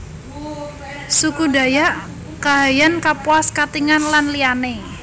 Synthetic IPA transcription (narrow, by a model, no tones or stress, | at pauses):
sukuda̤jaʔ | kaɦajankapwaskat̪iŋanlanliane